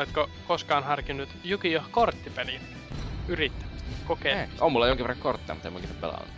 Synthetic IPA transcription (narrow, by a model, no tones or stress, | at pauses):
let̪ko | koskɑːnhɑrkinːut̪jukiohkort̪ːipeli | yrit̪ːæ̥mæskokeomulːɑjoŋkiʋerːɑŋkort̪ːḛɑmut̪ːemukiseppḛlɑ̰nːu